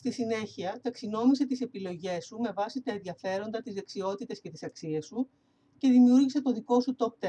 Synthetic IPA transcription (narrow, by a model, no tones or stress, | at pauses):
st̪isine̞çiɐt̪ɐksino̞mis̬e̞t̪ise̞pilo̞ʝe̞sume̞vɐsit̪ɐe̞nðjɐfe̞ɾo̞nd̪ɐt̪izðe̞ksio̞t̪it̪e̞sce̞t̪isɐksiesu | ce̞ðimiuɾʝise̞t̪o̞ðiko̞sut̪o̞p̚t̪e